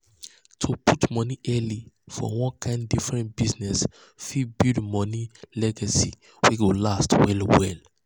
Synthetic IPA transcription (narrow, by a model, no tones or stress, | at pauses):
tʰupʰutmɔniʔɛli | fɔ̰wɔ̃nkʰãɪ̃ndifɹɛ̃ntbiznɛs | fibildmɔnilɛɡasḭ | wiɡolastwɛlwɛl